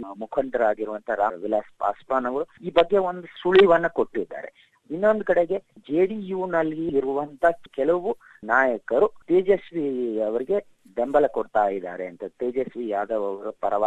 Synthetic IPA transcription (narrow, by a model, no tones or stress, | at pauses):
mukʰɐɳʈɐɾaːɡiɾuʋɐnt̪ʰɐɾa̰ːʋilaːspa̰ːspaːnɐɡɐɾuiːbɐɡːe̞o̞nd̪usuɭiʋɐnːɐko̞ʈːid̪ːa̰ːɾḛ | inːo̞nd̪ukɐɽeɡe̞d͡ʒeːɽijuːnɐlːiːɾuʋɐnt̪ʰɐkɛlɐʋu | naːjɐkɐɾut̪eːd͡ʒesʋiɐʋɐɾiɡe̞ | d̪embɐlɐkoɽt̪aːjid̪ːa̰ːɾeɐnt̪ɐt̪iːd͡ʒesʋijaːd̪ɐʋɐʋɐɾupɐɾɐʋa